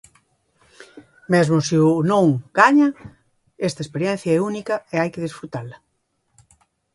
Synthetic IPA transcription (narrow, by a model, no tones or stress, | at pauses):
mɛzmʊsɪʊnõŋɡ̥aɲɐ | ɛst̪ɐespeɾjɛn̟θjɐɛunikɐeajkɪðesfɾut̪alɐ